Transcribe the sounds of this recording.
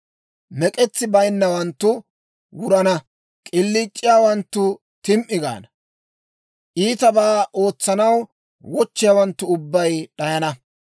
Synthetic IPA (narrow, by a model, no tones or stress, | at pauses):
mɛkʼɛt͡sːɪbɐjnːɐwɐnt̪ːʊ | wʊɾɐnɐ | kʼɪlːit͡ʃʼːɪjaːwɐnt̪ːʊ | t̪ɪmʔɪɡa̰ːnɐ | ʔiːt̪ɐbaːʔo̞ːt͡sːɐnɐw | wɔt͡ʃːɪjaːwɐnt̪ːʊʊbːɐjɗɐjɐnɐ